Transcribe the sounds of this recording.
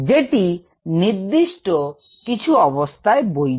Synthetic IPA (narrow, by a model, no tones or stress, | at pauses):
d͡ʑeʈi | niɾd̪iʃʈo | kit͡ɕʰuɔbost̪ʰaeboj